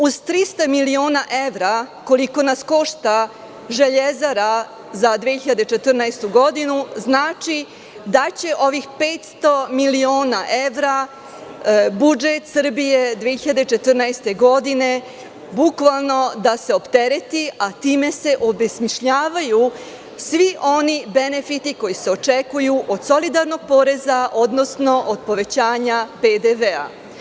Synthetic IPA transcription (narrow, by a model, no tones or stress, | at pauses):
uz̥t̪ɾist̪amilio̞ːnaʔeʋɾako̞liko̞nasko̞ʃt̪a | ʒe̞ʎezaɾa | zad̪ʋeçiʎad̪e̞t͡ʃe̞t̪r̩nast̪uɡo̞d̪inuznaːt͡ʃi | d̪at͡ɕe̞ʔo̞ʋixpeːt̪st̪o̞milioːnaʔeʋɾa | bud͡ʒet̪sr̩bije̞d̪ʋieçiʎad̪et͡ʃe̞t̪r̩najst̪e̞ɡo̞d̪ine̞ | bukʋalˠno̞d̪ase̞o̞pt̪e̞ɾe̞t̪iat̪iːme̞se̞ʔo̞besmiʃʎaːʋaju | sʋiʔo̞nibe̞ne̞fit̪iko̞jise̞o̞t͡ʃekujuʔo̞d̪so̞lid̪aɾno̞ɡ̚po̞ːɾe̞zaʔo̞d̪no̞sno̞ʔod̪̚po̞ʋe̞t͡ɕaːɲaped̪eʋea̰